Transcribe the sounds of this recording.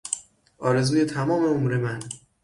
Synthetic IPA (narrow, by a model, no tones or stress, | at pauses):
ʔɒːɾe̞zuːjet̪ʰæmɒːme̞omuɾe̞mæn